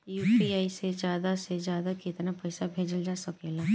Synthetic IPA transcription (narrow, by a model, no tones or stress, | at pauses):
juːpiaːised͡ʒjaːd̪ased͡ʒjaːd̪akɪt̪napɐɪsabʱeːd͡ʒəld͡ʒaːsɐkeːlaː